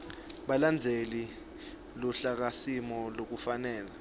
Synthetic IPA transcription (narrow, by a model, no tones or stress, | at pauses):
ɓaland͡zʱeli | luɬak̬asimɔlok̬ufanɛːla